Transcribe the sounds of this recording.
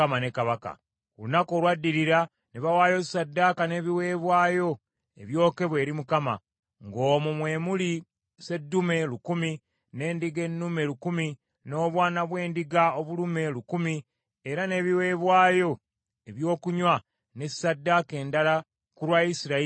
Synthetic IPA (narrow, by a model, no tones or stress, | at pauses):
amane̞kaβaka̰ | lunako̞ːlwadːiɾiɾa | niβawaːjo̞i̥sadːakane̞βiwe̞ːβwaːjo̞ | ḛβjo̞ːke̞βwe̞ːɾimukama̰ | ŋɡo̞ːmumwe̞ːmuli | se̞dːume̞lukumi | ne̞ːndiɡe̞nːume̞lukumi | no̞ːβwaːnaβwe̞ːndiɡaoβulume̞lukumi | eɾane̞ːβiwe̞ːβwaːjo̞ | e̞βjo̞ːkuɲwa | ne̞ssadːake̞ːndala | kuɾwaisiɾa